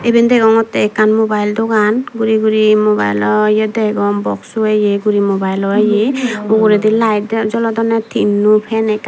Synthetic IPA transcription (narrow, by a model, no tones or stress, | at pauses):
ebɛnd̪ɛɡɔŋɔt̪ɛːkanmobajld̪ɔɡanɡuɾiɡuɾimoba̰jlɔjɛd̪ɛɡɔŋbɔ̰ksɔejeɡuɾimobajlɔejeuɡuɾɛd̪ilaj̚dd͡ʒɔlɔd̪ɔnɛt̪ʰinːupʰɛnɛka